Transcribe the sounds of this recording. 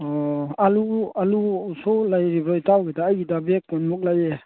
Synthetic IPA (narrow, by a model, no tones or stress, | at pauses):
ɔalualusɔlajɾibɾɔjtawɡɛdaːjɡidabɛkːɔnmɔk̚lajɛ